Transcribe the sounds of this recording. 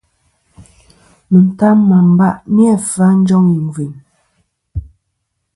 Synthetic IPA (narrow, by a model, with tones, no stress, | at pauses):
mə˨n̩˨ta˦m˦ma˨m˨ba˦˨ʔmi˦ɛ˦˨fa˦n̩˦d͡ʒɔ˦ŋi˨ɱ˨vi˨n